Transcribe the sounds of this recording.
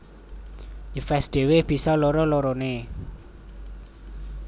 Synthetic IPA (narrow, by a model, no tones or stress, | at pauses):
jəfɛsɖ̪̥e̤wɪhb̥i̤sɔloɾɔloɾone